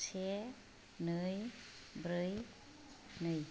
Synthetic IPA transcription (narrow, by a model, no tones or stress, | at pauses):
sʰe | nɯj | bɾɯj | nɯj